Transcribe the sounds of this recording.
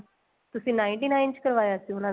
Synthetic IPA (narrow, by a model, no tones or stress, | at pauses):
t̪ʊsĩːnaːɪ̃ɳʈiːnaːɪnt͡ʃkəɾʋaːjaːsĩʊnãː